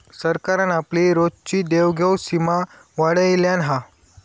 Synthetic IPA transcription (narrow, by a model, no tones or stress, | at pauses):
səɾkaɾanapliɾodt͡ɕiːd̪eʋɡʱəwsima | ʋaɽəjljanɦa